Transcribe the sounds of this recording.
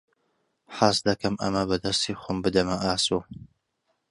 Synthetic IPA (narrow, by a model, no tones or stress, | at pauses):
ħaːsd̪ɐkɐmʔɐ̰mɐbɐd̪ɐst̪iːxʷʊmbɨd̪ɐmɐʔaːso